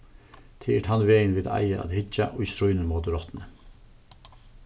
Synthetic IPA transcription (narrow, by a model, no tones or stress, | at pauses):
t̪ʰeːɛʈhanʋeːjnʋɪːd̪a̰jaʔa̰ðhɪd͡ʒaʔɔist̪ɾʊjnəmoːt̪əɾɔt̪nə